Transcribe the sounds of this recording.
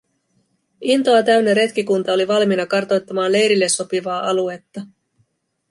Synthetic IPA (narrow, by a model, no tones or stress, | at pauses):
ʔint̪o̞ɑt̪æɥnːeɾe̞t̪kikunt̪ɑo̞liʋɑlminɑkɑrt̪o̞jt̪ːɑmɑːnle̞jɾilːe̞so̞piʋɑːʔɑlue̞t̪ːɑ